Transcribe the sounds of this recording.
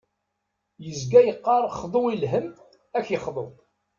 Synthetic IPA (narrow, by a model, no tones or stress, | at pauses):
jəzɡæjəqːɑɾˤχðˤoilɦəm | æçjəχðˤo